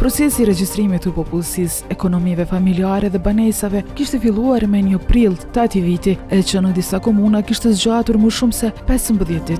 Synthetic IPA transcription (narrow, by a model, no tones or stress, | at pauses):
pɾɔt͡sɛsiɾɛd͡ʒist̪ɾimit̪əpɔpulˠsisɛkɔnɔmivɛfamiliaɾɛðɛbanɛsavɛkiʃt̪ɛfilˠuaɾmɛɲəpɾilˠt̪at̪ivit̪iɛt͡ʃənəd̪isakɔmunakiʃt̪ɛzd͡ʒat̪uɾməʃumsɛpɛsəmbəðjɛt̪̚d̪it̪